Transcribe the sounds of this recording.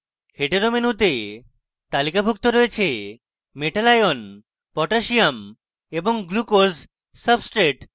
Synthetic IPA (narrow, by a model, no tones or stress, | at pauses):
heʈeɾomenut̪e | t̪alikabʱuk̚t̪oɾoet͡ɕʰe | meʈalajon | pɔʈaʃiam | eboŋɡlukoz | səbsʈɾeʈ